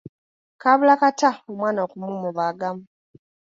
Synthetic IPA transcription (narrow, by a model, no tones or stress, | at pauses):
kaβulakataumwaːnakumumuβaɡam̩